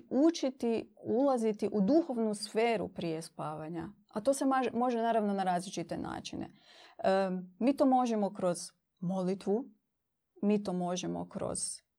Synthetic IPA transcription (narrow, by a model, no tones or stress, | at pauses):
ut͡ʃit̪iulˠazit̪iʔud̪uxo̞ʋnusfe̞ːɾṵpɾije̞spaːʋaɲa | at̪o̞ːse̞maʒmo̞ʒenaːɾaʋno̞naɾaːzlit͡ʃit̪e̞na̰ːt͡ʃinḛ | miːt̪o̞ːmo̞ʒemo̞kɾo̞z̥ | mo̞lit̪ʋu | miːt̪o̞ːmo̞ʒemo̰kɾo̰z̥